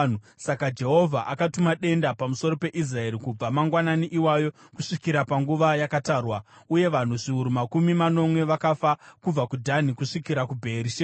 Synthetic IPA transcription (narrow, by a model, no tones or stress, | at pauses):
u | sakad͡ʒe̞ɦo̞vʱaʔakatumaɗe̞ndapamuso̞ɾo̞pe̞ʔis̬rae̞ɾikub͡vamaŋɡwananiʔiwajo̞kuʂikiɾapaŋɡuʋajakataːrwauje̞ʋan̤uʐiuɾumakumimano̞mwe̞ʋakafakub͡vakudʱanikuʂikiɾakubʱeːɾiʃe